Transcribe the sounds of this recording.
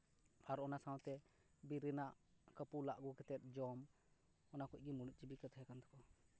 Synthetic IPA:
aɾɔnasãwt̪ɛ | biɾɛnaʔ | kəpulaʔɡukɛt̪ɛt̪̚ˀd͡ʒɔm | ɔnakɔc̚ˀɡimuɽuc̚ˀt͡ʃibikət̪ʰɔɦɛkant̪ɔ̥kɔ

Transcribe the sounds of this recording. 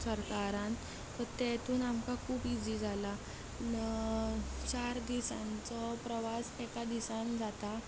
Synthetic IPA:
səɾkaɾãn | t̪ɔɾt̪ɛt̪uːnamkakʰuːpid͡ziːd͡zʱala | t͡ɕaɾd̪isãnt͡sɔpɾəʋasekad̪isand͡zʱat̪a

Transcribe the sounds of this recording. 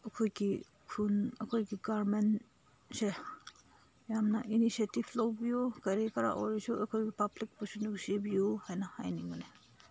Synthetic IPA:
ɐkʰojɡi | kʰunɐkʰojɡiɡaɾmen | se | jamnaʔinisetiblawbijukaɾekaɾa̰ʔɔɾisuɐkʰojɡipablik̚bɔsunusibijuhajnaha̰jniŋune

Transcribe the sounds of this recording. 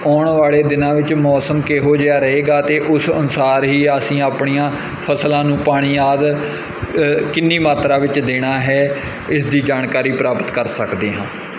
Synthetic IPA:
ɔːɳʋaːɭeːd̪ɪnãːʋɪt͡ʃmɔːsəmkeːɦoːd͡ʒeaːɾəɦeːɡaːt̪eːʔʊsənʊsaːɾɦiːəsĩːaːpɳijãː | pʰəslãːnũːpaːɽ̃iːaːd̪ | kɪnːiːmaːt̪ɾaːʋɪt͡ʃd̪eːɽ̃aːɦɛː | ɪsd̪iːd͡ʒaːɳkaːɾiːpɾaːpət̪kəɾsəkd̪eːɦãː

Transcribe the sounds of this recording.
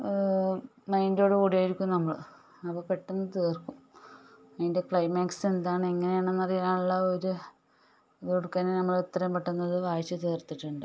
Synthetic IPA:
mɐjndo̞ːɽɨkuːɽijaːjiɾikʲːumnɐmːɐɭ | ɐpːoːpe̞ʈːunːɨt̪eːrkːum | ɐðinde̞kɭɐjmaːksend̪aːɳɨeŋːɐne̞jaːɳɨnːɐrijaːɳuɭːɐoɾu | koɽukːaːnenɐmːɐɭut̪ːɐrɐɐmpeʈːɐnːɐðɨʋaːjt͡ɕːɨt̪eːrt̪ːiʈːuɳɖɨ

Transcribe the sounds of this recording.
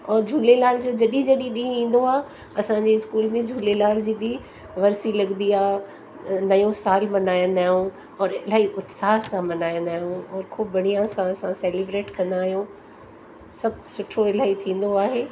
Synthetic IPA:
ɔːɾd͡ʑʱuːlelaːl̤d͡ʑod͡ʑɐɗĩd͡ʑɐɗĩɗĩɦĩːn̆d̪oaː | ɐsãɲd͡ʑeɪskuːlmẽd͡ʑʱuːlelaːld͡ʑiːbɪ | ʋɐɾsilɐɠnd̪iaː | nɐjõsaːlmɐnaːjə̃nd̪aːɦijũ | ɔːɾɪlaːiʔʊt̪saːsãmɐnaːjə̃nd̪aːɦijũɔːɾkʰuːbbɐɽ̃ijãsãɐsãseːlibɾeːʈkɐ̃nd̪aːɦijõ | sɐbʱsʊʈʰoɪlaːit̪ʰĩːn̆d̪oaːɦeː

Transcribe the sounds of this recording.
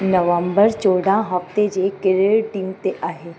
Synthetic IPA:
nəʋəmbəɾt͡ʃoːɽãɦɐft̪ed͡ʒekɪɾeɭʈiːmt̪eʔʔaːɦe

